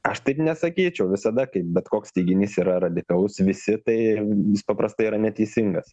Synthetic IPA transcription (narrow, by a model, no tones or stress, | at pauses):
ɐʃt̪ɐɪpnʲɛsɐkʲiːt͡ʃʲɛʊʋʲɪsɐd̪ɐkɐɪp̚bʲɛt̪koːkst̪ʲɛɪɡʲɪnʲiːsiːɾɐɾɐd̪ʲɪkɐlˠʊsʋʲɪsʲɪt̪ɐɪjɪspɐpɾɐst̪ɐɪiːɾɐnʲɛt̪ʲɛɪsʲɪŋɡɐs